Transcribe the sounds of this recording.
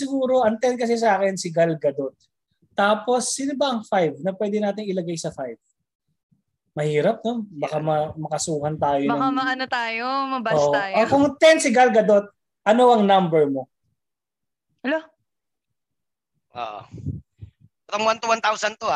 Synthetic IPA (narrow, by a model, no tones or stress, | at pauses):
sɪɡuːɾo̞ʔɐŋt̪ɛnkɐs̬ɛs̬ɐaːkɛnsɪɡɐlɡɐd̪ot̪̚ː | aːpo̞sːɪnobɐʔɐŋfajvnɐpwɛːd̪ɛnaːt̪ɪŋɪlɐɡajsɐfajv | mɐhiːɾɐp̚nobɐkamɐmɐkɐsuːhɐnt̪aːjomɐɐamɐʔɐnot̪aːjomɐbaoʔ̪ːjokʊŋt̪ɛnsɪɡɐlɡɐd̪ot̪̚ | ʔɐno̞ʔɐŋnɐmbɛɹmo̞ | ɐlo | ʔo̰ʔo | t̪oŋwant̪uwant̪awsɐnt̪oa